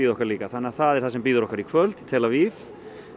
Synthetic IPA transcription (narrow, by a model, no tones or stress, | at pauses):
iːððɔkaɾliːkaθanːɪaθaðɛɾ̥θasɛmpiːðʏɾɔhkaɾikʰvœlt̪i̥t̪ʰɛlavif